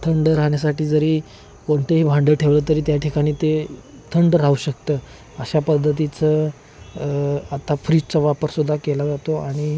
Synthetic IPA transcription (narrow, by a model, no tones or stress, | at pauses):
t̪ʰəɳɖɾaɦɳjasaʈiːd͡zəɾiː | koɳt̪eɦiːbʱãɳɖəʈʰeʋləːt̪əɾiːt̪jaʈʰikaɽ̃iːt̪e | t̪ʰəɳɖɾauɕəkt̪əː | əɕapəd̪ʱːət̪̬it͡sə | at̪afɾiːd͡ʑt͡səʋapəɾsud̪ʱːakelad͡zat̪oaɽ̃i